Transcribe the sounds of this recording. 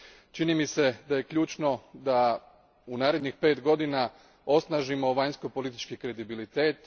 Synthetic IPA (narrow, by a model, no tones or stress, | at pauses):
t͡ʃinimise̞d̪ajekʎuːt͡ʃno̞d̪a | unaːɾe̞d̪ɲixpe̞ːt̪ɡo̞d̪ina | o̞snaːʒimo̞ʋaɲsko̞po̞lit̪i̥t͡ʃkikɾe̞d̪ibilit̪e̞ːt̪